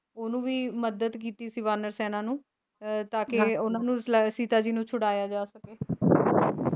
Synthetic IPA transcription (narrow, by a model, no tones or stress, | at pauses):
oːnũːʋiːməd̪əd̪k̬iːt̪iːsiːʋaːnəɾsɛːnãːnũː | t̪aːkɪʊnãːnũːsiːt̪aːd͡ʒiːnũːt͡ʃʰʊɽaːjaːd͡ʒaːsəkeː